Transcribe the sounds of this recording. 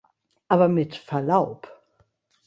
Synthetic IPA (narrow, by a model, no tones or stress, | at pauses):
ʔaːbɐmɪtfɛɐlaʊp